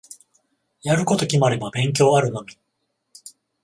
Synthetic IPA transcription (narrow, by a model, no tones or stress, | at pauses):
jaɾɯ̟ko̞t̪o̞kʲimaɾe̞babẽ̞ŋk̬ʲo̞ːaɾɯ̟no̞mʲi